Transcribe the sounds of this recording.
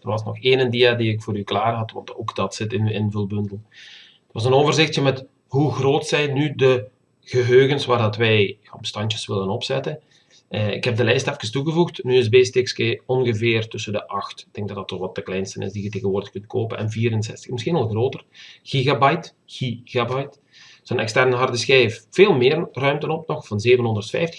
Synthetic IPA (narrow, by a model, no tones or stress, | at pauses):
d̥ərʋɑsnɔ̰xeːnəndiadiɪkfoːɾyklaːrɦɑtʋɑ̰ntoːkd̥ɑtsɪtɪnɪnvɪːlˠbɵndəl̩ˠ | ətʋɑsənoːvərzɪxtjəmɛt | ɦuɣroːtsɛjnydə | ɣəɦøːɣənsʋaːrdɑtʋɛjjbəstɑntjəsʋɪlənɔpsɛtə | əɪ̰khɛb̚dəlɛjstɛfkənstuɣəvuxtnyɪsbeːstɪkskeːɔnɣəvɪːrtɵsəndəʔɑxtɪɡ̚d̥ɛŋɡ̚dɑdɑtːɔxʋɑt̚dəklɛjnstənɪ̰zdijəteːɣənʋoːrdəxkɵnt̚kʰoːpənʔɛ̰nviːɾənsɛstə̥xməsxinɑlˠɣroːtərɣ̥iɣabɑjt | ɣ̥iɣabɑjt | z̥onɛ̰kstɛrnəɦɑrdəsxɛeffeːlˠmɪːrrœɥmtənɔp̚nɔxvɑnzeːvənɦɔndərtfɛ̰jftə̥x